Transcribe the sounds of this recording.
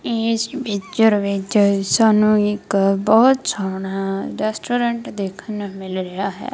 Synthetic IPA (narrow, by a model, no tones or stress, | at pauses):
eːsbɪt͡ʃəɾʋɪt͡ʃsaːnũːɪkbɔːt̪saːɽ̃aːɾɛːsʈoːɾəɳʈd̪eːkʰənmɪlɾejaːɦɛ̰ː